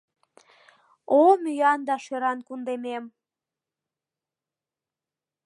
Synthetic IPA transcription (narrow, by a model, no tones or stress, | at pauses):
omyjɑnd̪ɑʃeɾɑnkund̪emem